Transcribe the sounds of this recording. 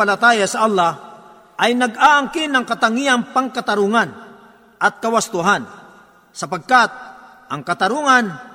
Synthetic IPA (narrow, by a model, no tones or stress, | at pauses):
alat̪aːjasɐʔalːa | ʔɐjnɐɡaʔaŋkɪnɐŋkat̪aŋianpaŋkat̪aɾuŋan | ʔɐt̪̚kawast̪ʊɦan | sɐpaɡ̚kat̪̚ | ʔɐŋkɐt̪aɾuːŋan